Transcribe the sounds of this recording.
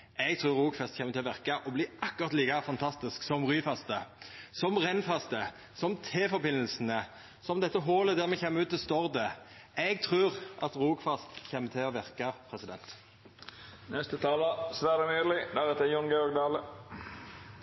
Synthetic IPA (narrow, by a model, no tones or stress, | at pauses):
ɛɡt̪ʰʁʉːʁʁuːɡfɛst̪çɛːmət̪ʰɪlɔʋæʁkɑʔɔbliːʔɑkːʊʁɑt̪liːkɑfɑnt̪ʰɑst̪ɪsksɔmʁyːfɑst̪əsɔmʁɛnfɑst̪ə | sɔmt̪ʰeːfɔbɪnːəlsnə | sɔmd̪ɛt̪ːəɦoːləd̪æːʁmɛçɛːmːəʉːt̪ːɛst̪ɔʁd̪ə | ɛɡt̪ʰʁʉːʁʔɑt̪ʁuːɡfɑst̪çɛːmːət̪ʰɪɔʋæʁkɑpʰʁɛsɪd̪ɛnt̪ | nɛst̪ət̪ʰɑːləsʋæːɾəmyːlɪd̪æʁɛt̪əjɔŋɡɔɡd̪ɑːlə